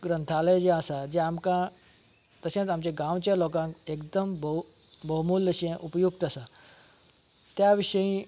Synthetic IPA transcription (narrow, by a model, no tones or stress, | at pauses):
ɡɾə̃nt̪ʰaləjd͡ʑẽəsad͡ʑeamkã | t̪əsẽtamt͡ɕeɡãʋt͡ɕalokãkekd̪əmb | bəɦmuːləɕẽʔupjukt̪əsa | t̪jaʋiʂəjĩ